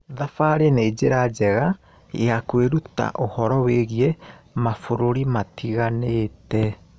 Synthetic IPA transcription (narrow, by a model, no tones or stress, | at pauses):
ðafaɾeneːd͡ʑeɾad͡ʑɛɣa | eakweɾuta̰ʔohɔɾɔweɣiemafoɾoɾimatʰiɣaneːtɛ